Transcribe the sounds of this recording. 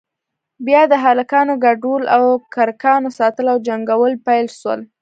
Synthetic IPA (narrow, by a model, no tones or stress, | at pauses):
bjɑd̪əɦalakɑnoɡaɖulawkaɾkɑnosɑt̪əlawd͡ʒaŋɡawəlpajlʃwə̰l